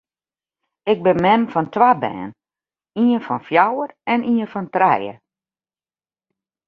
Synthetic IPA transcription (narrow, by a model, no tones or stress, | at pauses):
ɪk̚bɪmɛmfɔntwabɛ̰ːn | iənfɔnfjawərɛnʔiənfɔntrɛjə̰